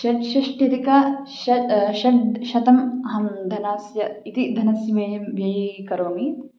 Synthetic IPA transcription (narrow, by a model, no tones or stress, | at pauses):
ʃɐʃɐʂʈiɾikɐʃɐʃɐʈʃɐt̪ɐmɐɦɐmd̪ʱɐnaːsjɐit̪id̪ʱɐnɐsjɐʋɐjɐmʋjɐjikɐɾoːmi